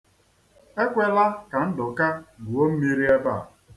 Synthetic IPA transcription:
e˦kʷe˦la˦ka˨n̩˦dʊ˨ka˦ɡu˨o˦m̩˦mi˦ɾi˦e˦ba̰˦˨

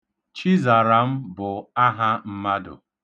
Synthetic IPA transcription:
t͡ʃi˦za˨ɾa˨m̩˦bʊ˨a˦ɦa˦m̩˦ma˦dʊ̰˨

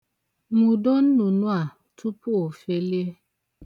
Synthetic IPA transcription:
mu˨dɔ˦n̩˦nu˨nu˦a˨ | tʰu˦pu˦o˨fe˦li˦e˦

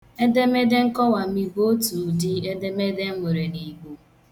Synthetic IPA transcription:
e˦de˦me˦de˦ŋ̩˦kɔ˦wa˨m̩i˦ɡo˦tu˨dɪ˨e˦de˦me˦de˦m̩˦ŋʷe˨ɾe˨ni˨ɡ͡bu˨

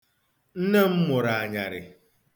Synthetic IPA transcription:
n̩˦ne˦m̩˦mʊ˨ɾa˨a˨ɲa̰˨ɾɪ̰˨

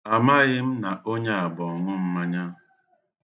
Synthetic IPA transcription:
a˨ma˦ɣɪ˦m̩˦na˨ʔo˦ɲe˦a˨bɔ˨ŋʊ˦m̩˦ma˦ɲa˦

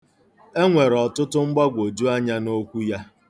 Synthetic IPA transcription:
e˦ŋʷe˨ɾɔ˨tʊ˦tʊ˦ŋ͡m̩˦ɡ͡ba˦ɡʷo˨d͡ʒu˦a˦ɲa˦no˦kʷu˦ja˦

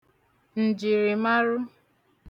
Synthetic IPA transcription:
n̩˨d͡ʒi˨ɾi˨ma˦ɾʊ˦

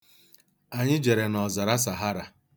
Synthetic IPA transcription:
a˨ɲɪ˦d͡ʒe˨ɾe˨nɔ˨za˨ɾa˦s̬a˨ɦa˦ɾa˨

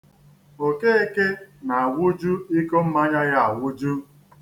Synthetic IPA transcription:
o˨ke˦e˦ke˦na˨a˨wʊ˦d͡ʒu˦i˦ko˦m̩˦ma˦ɲa˦ja˦a˨wʷʊ˦d͡ʒu˦

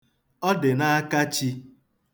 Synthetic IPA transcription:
ɔ˦dɪ˨na˦a˦ka˦t͡ʃi˦

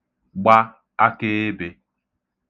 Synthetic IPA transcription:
ɡ͡ba˦ | a˦ke˦e˦be˨

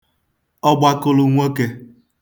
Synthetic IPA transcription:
ɔ˦ɡ͡ba˦kʊ˦lu˨ŋʷo˦ke˦

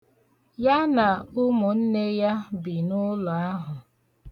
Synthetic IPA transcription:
ja˦na˨ʊ˦mʊ˨n̩˦ne˦ja˦bi˨nʊ˦lɔ˨a˦ɦʊ˨

